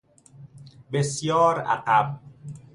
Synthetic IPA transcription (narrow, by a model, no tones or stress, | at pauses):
besjɒːɾæ̰qæb̚